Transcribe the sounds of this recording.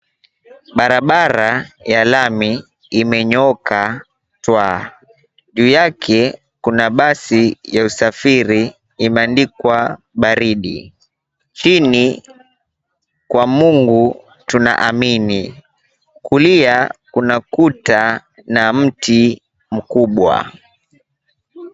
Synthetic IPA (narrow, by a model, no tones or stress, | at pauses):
ɓaɾaɓaɾajalami | imɛɲɔka | twa | ʄuːjakʰɛ | kunaɓasijausafiɾiː | mɛandikwa | ɓaɾiɗḭ | t͡ʃini | kwamuŋɡu | tuna̰ʔamini | kuliakunakuta | nam̩ti | m̩kuɓwa̰